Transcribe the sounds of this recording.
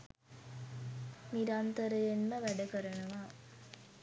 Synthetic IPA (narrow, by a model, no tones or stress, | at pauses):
miɾant̪əɾəjenməʋæɖəkəɾənəʋa